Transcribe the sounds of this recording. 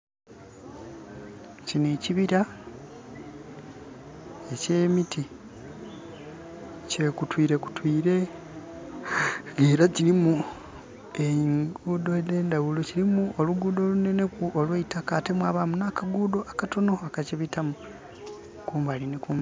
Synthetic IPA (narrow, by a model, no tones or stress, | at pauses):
cineciβiɾa | ece̞ːmiti | ce̞kutwiːɾe̞ku̥twiːɾe̞ | ɡeːɾaciɾimu | eŋɡuːdo̞ede̞ːndawulociɾimuoluɡuːdo̞ːlune̞ne̞kuʔolweitakate̞mwaβamunakaɡuːdo̞ʔakato̞no̞akaciβitamu | kuːmbalinikuːm